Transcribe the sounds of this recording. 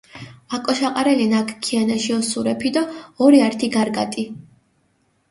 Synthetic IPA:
akʼɔʃaqʼaɾɛlinakʰkʰːianaʃiɔsuɾɛpʰid̪ɔɔɾiaɾt̪ʰiɡaɾɡa̰t̪ʼi

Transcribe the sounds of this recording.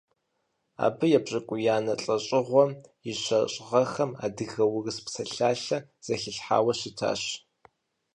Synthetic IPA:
a̰ːbɨjɛbɕʼɐkʷʼʊjaːnɐɬʼɐɕʼɪʁʷɔjɪɕɐɕʼʁɐxɐma̰ːdɨɣɐwʊrɨspsɐɬaːɬɐz̥ɐxɪɬħa̰ːwɐɕɪtʰa̰ːɕ

